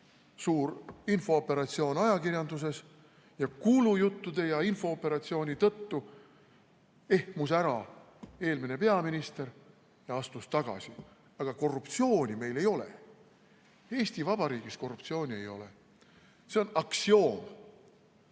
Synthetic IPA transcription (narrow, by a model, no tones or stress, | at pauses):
suːɾinfo̞opːe̞ɾɑt̪sio̞ːnɑjɑkiɾjɑnd̪us̬e̞s | jɑkulujut̪ːud̪̥e̞jɑinfo̞opːe̞ɾɑt̪sio̞ːnʲit̪ɤt̪ːu | e̞hmusæɾɑ | e̞ːlmine̞pe̞ɑminist̪e̞ɾ | jɑɑst̪ust̪ɑɡ̥ɑ̰si | ɑɡ̥ɑko̞rːupt̪sio̞ːnʲime̞jle̞jo̞lḛ | e̞ːsʲt̪ivɑb̥ɑɾiːɡ̥isko̞rːupt̪sio̞ːnʲiejo̞̰le̞̰ | se̞o̞nɑksio̞ːm